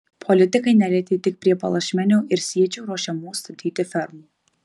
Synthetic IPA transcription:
pʰɔlʲɪt̪ʲɪkɐɪnʲælʲɛt̪ʲeːt̪ʲɪk̚pʲɾʲiɛpɐlˠɐʃʲmʲɛnʲoːʔɪɾsʲiɛt͡ʃʲoːɾoːʃʲɛmuːst̪ɐt̪ʲiːt̪ʲɪfʲɛɾmuː

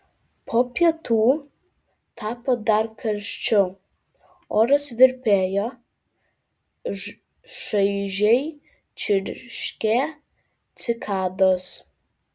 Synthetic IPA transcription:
pʰoːpʲɛt̪uː | t̪ʰɑːpoːd̪ɐrkʰɐɾʲʃʲt͡ʃʲʊ | oːɾɐsʋʲɪɾʲpʲeːjoː | ʃɐɪʒʲɛj | t͡ʃʲɪɾʲʃʲkʲɛ | t̪sʲɪkʰɑːd̪oːs

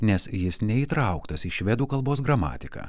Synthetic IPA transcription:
nʲɛsjɪsnʲɛiːt̪ɾɑʊkt̪ɐsiʃʲʋʲɛd̪uːkɐlˠboːsɡɾɐmɑ̰ːt̪ʲɪkɑ̰ː

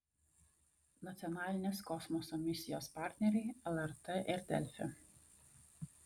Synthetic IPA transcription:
nɐt̪sʲɔnɑːlʲɪnʲeːskɔsmɔsɔmʲɪsʲɪjoːspɑˑɾʲt̪ʲnʲɛɾʲɛɪɛlˠɛɾt̪ɛʔɪɾd̪ʲɛ̰lʲfʲɛ̰

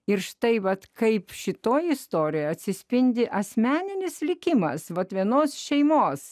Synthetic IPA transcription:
ɪrʃt̪ɐɪʋɐt̪kɐɪpʃʲɪt̪oːjɪst̪oːɾʲɪjoɐt̪ʲsʲɪsʲpʲɪnʲd̪ʲɪʔɐsʲmʲæːnʲɪnʲɪslʲɪkʲɪmɐ̰sʋɐt̪ʋʲiɛnoːsʃʲɛɪmoːs

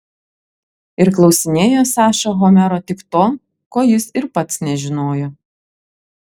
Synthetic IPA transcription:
ɪɾklˠɒʊsʲɪnʲeːjoːsɑːʃoɣɔmʲɛɾoːt̪ʲɪkt̪oː | koːjɪsɪɾpɐt̪snʲɛʒʲɪnoːjo

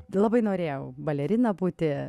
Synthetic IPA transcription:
lˠɑbɐɪnoːɾʲeːjɛʊbɐlʲɛɾʲɪnɐbuːt̪ʲɪ

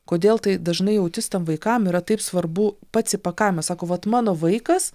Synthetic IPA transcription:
koːd̪ʲeːlˠt̪ɐɪd̪ɐʒnɐɪjɛʊt̪ʲɪst̪ɐmʋɐɪkɐmiːɾɐt̪ɐɪpsʋɐɾbupɑːt̪sʲɪpɐkɐɪmɐsɑːkoːʋɐt̪mɑːnoːʋɐɪkɐs

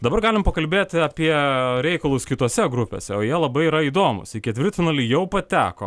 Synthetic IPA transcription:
d̪ɐbɐɾɡɑːlʲɪmpɐkɐlʲbʲeːt̪ʲɐpʲiɛɾʲɛɪkɐlˠʊskʲɪt̪oɔsʲɛɡɾʊpʲḛːsʲɛoːjiɛlˠɐbɐɪiɾɐiːd̪oːmʊ̰sɪkʲɪɛt̪ʲʋʲɪrt̪ʲɪnɐlʲijɛʊpɐt̪ʲæːko̰

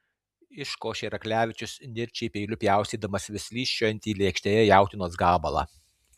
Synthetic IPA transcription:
ɪʃkoːʃʲeɾɐklʲæːʋʲɪt͡ʃʲʊsnʲɪɾʲt͡ʃʲɛɪpʲɛɪlʲʊpʲjæˑʊsʲiːd̪ɐmɐsʋʲɪsʲlʲiːsʃʲɐnʲt̪ʲiːlʲeːkʃʲt̪ʲeːjɛjæˑʊt̪ʲɪnoːs̬ɡɑːbɐlˠɑ̰ː

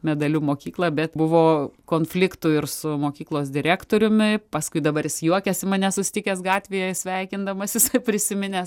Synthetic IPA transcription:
mʲɛd̪ɐlʲuːmoːkʲiːklˠɑːbʲɛt̪bʊʋoːkoːnfʲlʲɪkt̪ʊɪrsʊmoːkʲiːklˠoːsd̪ʲɪɾʲæːkt̪oːɾʲʊmʲɪpɐskʊɪd̪ɐbɐɾjɪsjuɔkʲɛsʲɪmɐnʲɛsʊsʲɪ̥t̪ʲɪkʲɛːsɡɑːt̪ʲʋʲeːjɛsʲʋʲɛɪkʲɪnd̪ɐmɐsʲɪsɐpʲɾʲɪsʲɪmʲɪnʲeːs

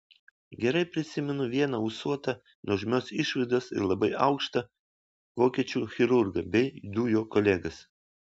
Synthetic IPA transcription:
ɡʲɛɾɐɪpʲɾʲɪsʲɪmʲɛnʊʋʲiɛnɐʊsuɔt̪ɐ | nɔʒʲmʲoːsɪʃʋɐɪd̪oːsɪ̰ɾlˠɐbɐɪɐʊkʃt̪ɐ | ʋoːkʲiɛt͡ʃʲuxʲɪɾʊɾɡɐbʲɛɪd̪uːjoːkɔlʲɛɡɐs

